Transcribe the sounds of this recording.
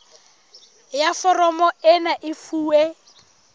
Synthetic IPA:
jafɔrɔmɔɪnaʔɪfuːe

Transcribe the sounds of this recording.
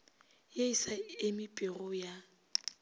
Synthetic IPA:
jeisaɪmɪpʼɪrʊja

